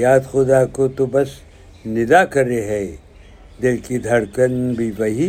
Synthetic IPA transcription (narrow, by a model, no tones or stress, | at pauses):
jaːd̪xʊd̪akot̪obɐs | nɪd̪akɐɾeɦɛː | d̪ɪlkid̪ʱɐɽkənbʱiʋɐɦi